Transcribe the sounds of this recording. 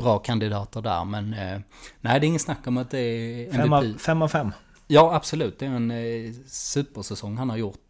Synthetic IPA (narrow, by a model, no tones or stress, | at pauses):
b̥ɾɑːkʰand̪ɪd̪ɑːt̪əɖæ̰ːɾmɛnnæɪd̪ɛːɾɪŋːənsnakːɔmat̪̚d̪ɛæɾɛnbfɛmːafɛmː | jɑːab̥sɔlʉ̟ːt̪̚d̪ɛæɾɛn | sʉ̟ːpəʂɛsɔŋːhanhaɾjʊt̪